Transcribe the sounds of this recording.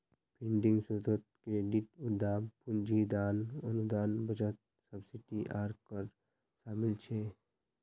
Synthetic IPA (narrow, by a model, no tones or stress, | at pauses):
pʰɪ̃ɳɖɪ̃ŋɡsut̪ət̪̚kɾeːɖɪʈʊd̪ːaːmpʊnd͡ʒid̪aːnənud̪aːnbəd͡ʒət̪̚ | səbsɪʈiʔaːɾkəɾ | ʃaːmɪlt͡ʃʰeː